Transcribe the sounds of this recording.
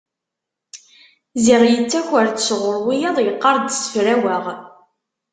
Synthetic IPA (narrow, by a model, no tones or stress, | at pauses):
ziʁjət͡sːæçəɾt̪ə̥sʁʊɾˤwijɑðˤjəqːɑɾˤd̪sə̥fɾæwæʁ